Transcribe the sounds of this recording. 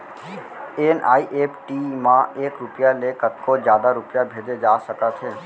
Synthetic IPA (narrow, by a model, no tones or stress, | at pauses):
eːnʔa̰ːiʔeːpʈiːmãeːkɾʊpjalekət̪̚kod͡ʒjaːd̪aɾʊpjabʱeːd͡ʒed͡ʒaːsəkət̪ɦeː